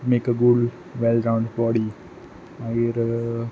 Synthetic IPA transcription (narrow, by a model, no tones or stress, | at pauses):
meːkəɡuɖ | ʋɛlɖɾãʊ̃ɳɖbɔɖi | aɡeɾ